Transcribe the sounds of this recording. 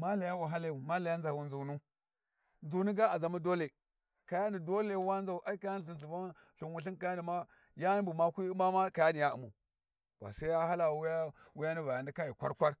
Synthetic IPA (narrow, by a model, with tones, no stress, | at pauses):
ma˦la˨ja˦wa˨ɦa˦la˦u˨ma˦la˨ja˦n˦d͡za˨wu˨˦nzu˨nu˦ | nd͡zu˨nu˦ɡa˦a˨za˨mu˦do˦le˨ | ka˨ja˦ni˨do˦le˦˨˦wa˦nd͡za˨u˦ʔa˦i˦ka˨ja˦n˨ɬi˨nɬu˨va˦ | ɬu˨nwu˨ɬ̬i˦nka˨ja˦ni˨ma˦ | ja˦mbu˨ma˦kʷi˦ma˦ma˦ka˨ja˦ni˨ja˦ṵ˨mṵ˨ | b̥a̰˨sa˦a˦ha˦la˨wja˦ | wu˦ja˦ni˦va˨ja˨ndi˦ka˦ji˨kʷa̰˦ɾkʷa˦ɾ